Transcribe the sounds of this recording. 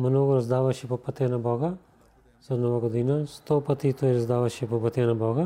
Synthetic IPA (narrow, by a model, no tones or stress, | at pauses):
mnɔɡuɾazd̪avaʃɛpɔpat̪ɛnabɔɡa | z̥anɔvaɡod̪inast̪ɔpat̪it̪ɔiɾɐzd̪avaʃɛpɔpat̪ɛnabɔɡa